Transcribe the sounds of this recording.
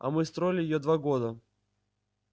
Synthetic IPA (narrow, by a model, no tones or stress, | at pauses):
ɐ̰mɨst̪ɾo̞ɪlʲɪjɪjod̪vaɡod̪ə